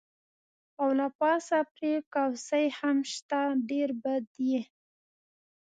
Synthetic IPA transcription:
awlapɑsapɾekawsəjhamʃt̪aɖeɾbad̪je

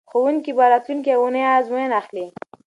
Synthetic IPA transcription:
xowuŋkibɑɾɑt̪lunk̬iawunəjazmenaxli

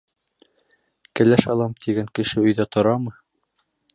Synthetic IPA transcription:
kɘ̆læʃɑlˠɑmt̪ʰiɡæŋkɘ̆ʃɘɵ̆jðæt̪ŏɾɑmɤ

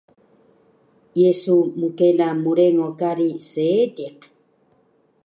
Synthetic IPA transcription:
jesumukelamuɾeŋokaɾiseːd̪iq

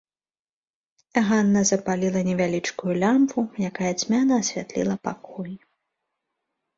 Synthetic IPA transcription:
ɣanːɐzɐpalʲilˠɐnʲɛvʲalʲit͡ʂkujulʲampvujakajɐt͡sʲmʲanɐːsʲvʲat̪lʲḭlˠɐpakɔji

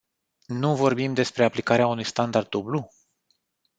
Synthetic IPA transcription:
nuvo̞rbimd̪e̞spɾe̞aplikaɾeaunujst̪and̪ard̪̚ublu

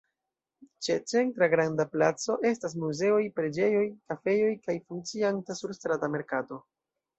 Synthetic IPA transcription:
t͡ʃe̞t͡se̞ntɾaɡɾandaplat͡so̞ʔe̞stas̬muze̞o̞jpɾe̞d͡ʒe̞jo̞jkafe̞jo̞jkajfuŋkt͡siantasuɾstɾatame̞ɾkato̞

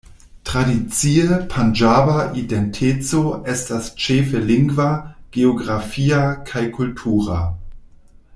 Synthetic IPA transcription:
tʁ̥adit͡siəpʰand͡ʒabaʔidentʰet͡soestast͡ʃefeliŋɡvaɡ̥eoɡʁafiakʰajkʰultʰuːʁa

